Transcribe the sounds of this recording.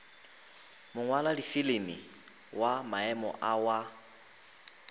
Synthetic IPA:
mʊŋwaladifilemɪ̰ | wamaɛmɔ̰ʔawa

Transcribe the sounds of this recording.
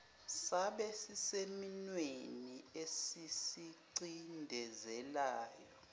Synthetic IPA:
saɓɛsiseminweniesisiǀindʱɛzɛlaːjɔ

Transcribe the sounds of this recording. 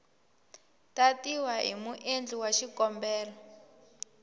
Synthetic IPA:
tatiwaɦḭmuʔend͡ɮiwaʃikɔmbɛːlɔ

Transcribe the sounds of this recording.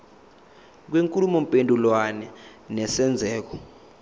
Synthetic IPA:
k̬weŋkʼulumɔmpʼendʱulwanɛnɛsɛnd͡zʱɛːk̬ɔ

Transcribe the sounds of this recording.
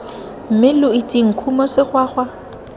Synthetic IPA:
m̩mɪlʊitʼiŋ̩kʰumɔsɪχwaːχwa

